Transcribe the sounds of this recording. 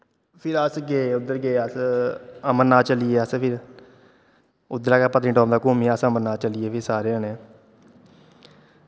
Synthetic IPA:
pʰɪɾəsɡeːʊd̪ːəɾɡeːəs | əməɾnaːt͡ʃəlieːəspʰɪɾ | ʊd̪ːəɾaːkaːpət̪niːʈɔ̃ːmd̪aːkomiːəsəməɾnaːt͡ʃəlɪeːpʰɪɾsaːɾeːəneː

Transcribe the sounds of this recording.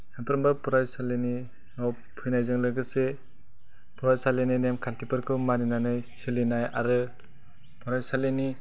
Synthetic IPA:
sampʰɯɾɯmbapɔɾajsaleni | nɔw | pʰujnajzɯŋlɯɡɯse | pʰɔɾajsaleninemkʰantʰipɯɾkʰɯmaninanajsilinaja̰ɾɯ | pʰɔɾajsaleni

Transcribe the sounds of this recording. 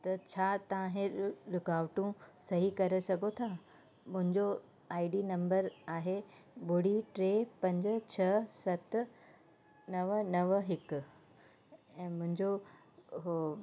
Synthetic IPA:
t̪ɐt͡ɕʰaːt̪ɐʋãɦẽɾʊkaːʋʈũsɐɦikɐɾesɐɡʱot̪ʰaː | mʊ̃ɦɪ̃ɲd͡ʑo | aːiɖinɐ̃mbəɾaːɦebʊɽiʈɾepɐ̃ɲd͡ʑt͡ɕʰɐsɐt̪ | nɐʋnɐʋɦɪkʊ | ɛ̃ːmʊ̃ɦɪ̃ɲd͡ʑo | ɦo

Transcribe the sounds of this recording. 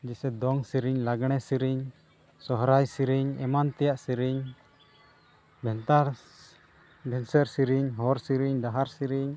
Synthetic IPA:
d͡ʒɛsɛd̪ɔŋsiɾiɲlaɡɳɛsiɾiɲ | sɔɦɾajsiɾiɲɛ̰mant̪ɛjaʔsiɾiɲ | bʱɛnt̪aɾ | bʱɛnsəɾsiɾiɲɦɔɾsiɾiɲd̪aɦaɾsiɾiɲ

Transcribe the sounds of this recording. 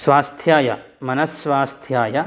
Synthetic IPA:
sʋaːst̪ʰjaːjɐ̰ | mɐnɐsʋaːst̪ʰjaːjɐ

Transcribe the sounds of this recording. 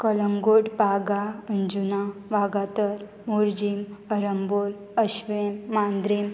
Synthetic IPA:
kələŋɡoɽpaɡaənd͡ʑunaʋaɡat̪əɾ | muɾd͡ʑiməɾəmbol | əɕʋemːand̪ɾem

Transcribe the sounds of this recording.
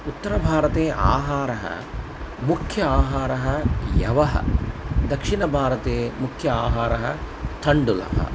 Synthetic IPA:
ut̪ːɐɾɐbʱaːɾɐt̪eːʔa̰ːɦaːɾɐɦɐ̰ | mukʰjɐaːɦaːɾɐɦɐjɐ̰ʋɐɦɐ̰d̪ɐkʂiɳɐbʱaːɾɐt̪eːmukʰjɐaːɦaːɾɐɦɐ̰ | t̪ʰɐɳɖulɐ̰ɦɐ̰

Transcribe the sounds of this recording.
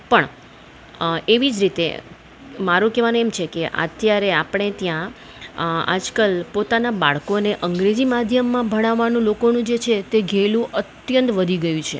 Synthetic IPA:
pəɳ | eʋid͡ʒɾit̪ḛ | maɾũkɛʋanũemt͡ʃʰekeʔə̰t̪jaɾeapɽ̃et̪jã | a̰d͡ʒkəlpot̪anabaɭkoneʔəŋɡɾed͡ʒimad̪ʱjəmːãbʱəɽ̃aʋːanũlokonũd͡ʒet͡ʃʰet̪eɡʱelũʔət̪jənt̪ʋəd̪ʱiɡəjũt͡ʃʰḛ

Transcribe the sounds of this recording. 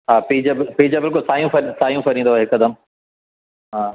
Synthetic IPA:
ɦaːpid͡ʑɐbɪpiːd͡ʑabɪlk̬ʊlsaːjũfɐɾsaːjũfɐɾĩːnd̪oaɦɪkɐd̪ɐm | ɦãː

